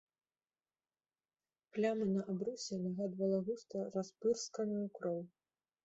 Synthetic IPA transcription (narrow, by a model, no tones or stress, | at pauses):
plʲamɨnɐʔabɾusʲɛnaɣad̪vɐlˠɐɣust̪ɐraspɨrskɐnɨjukɾɔw